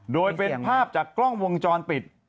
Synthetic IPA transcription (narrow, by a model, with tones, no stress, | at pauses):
doː˧jpe˧npʰaː˥˩p̚t͡ɕaː˨˩kːlɔ˥˩ŋwo˧ŋt͡ɕɔː˧npi˨˩t̪̚